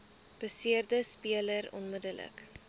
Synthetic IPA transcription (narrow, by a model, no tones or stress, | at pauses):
b̥əsiərdəspiələɾɔ̰nmədələ̰k